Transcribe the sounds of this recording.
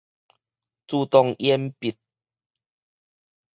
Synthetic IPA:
t͡su˧t̪ɔ˧ŋʔjɛ˦mpi˨˩t̪̚

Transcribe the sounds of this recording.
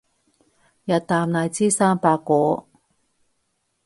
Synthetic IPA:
jɐ˨t̚t̪aː˨mnaː˨˧jt͡siː˥saː˥mpaː˧kːʷɔː˨˥

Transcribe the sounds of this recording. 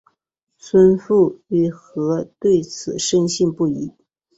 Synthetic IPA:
t͡sʰwə˥nfu˥˩y˥˩xɤ˧˥t̪we˥˩ɪt͡sʰɹ̩˨˩ʂə˥ŋɕi˥˧ŋpu˥˩i˧˥

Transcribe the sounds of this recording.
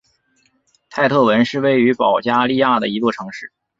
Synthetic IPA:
t̪ʰa˥˧ɪt̪ʰɤ˥˩wə˧˥nʂɻ̩˥˧we˥˩ɪy˧˥pɑ˨˩ʊt͡ɕja˥li˥˧ja˥˩d̪ə˩i˧˥kwɔ˥˩ʈ͡ʂʰɤ˧˥ŋʂɻ̩˥˩

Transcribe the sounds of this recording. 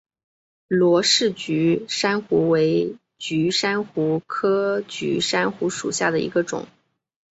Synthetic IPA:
lwɔ˧˥ʂɻ̩˥˩t͡ɕy˧˥ʂa˥nxu˧˥we˧˥ɪ | t͡ɕy˧˥ʂa˥nxu˧˥kʰɤ˥t͡ɕy̰˧˥ʂa˥nxu˧˥ʂṵ˨˩ɕja˥˩d̪ə˩ḭ˧˥ɡə˧ʈ͡ʂʊ̰˨˩˦ŋ

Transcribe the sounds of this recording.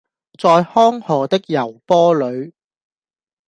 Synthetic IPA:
t͡sɔː˧jhɔː˥ŋhɔː˨t̪ɪ˥k̚jɐ˨˩wpɔː˥lɵ˨˧ɥ

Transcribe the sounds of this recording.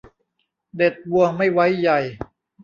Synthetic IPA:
de˨˩t̪̚wu˧əŋma˥˩jwa˦˥jːa˨˩j

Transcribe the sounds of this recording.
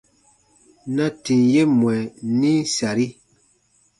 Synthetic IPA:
na˦ti˨nje˦mwɛ˨nĩ˦sa˨ɾi˦

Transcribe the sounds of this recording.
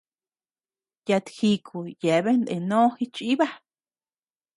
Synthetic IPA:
ja˧t̪xi˧kʰu˨je˨βe˦nd̪ḛ˧nõː˦xi˦t͡ʃi˦βa˦

